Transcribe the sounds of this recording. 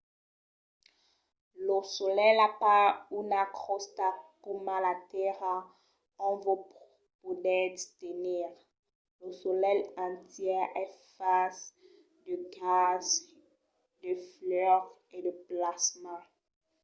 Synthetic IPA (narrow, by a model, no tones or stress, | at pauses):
losɔlɛlapaunakχɔst̪akomãlat̪ɛʁa | ɔ̃vop | pod̪ɛd̪st̪eniʁ | losɔlɛlɑ̃t̪jɛʁɛfas | d̪əɡaz | d̪əflœʁ | ed̪əplasmɑ̃